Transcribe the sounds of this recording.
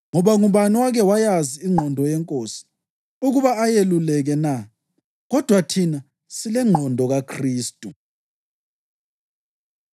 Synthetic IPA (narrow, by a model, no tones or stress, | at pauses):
ŋɔβaŋuβaniwaɣɛwajaziiŋ͡ǃʱɔndʱɔjɛŋkʼoːsi̥ | uɣuβaajelulɛɣɛna | ɣɔd̥ʱwatʰina | silɛŋ͡ǃʱɔndʱɔɣakʰriːstʼu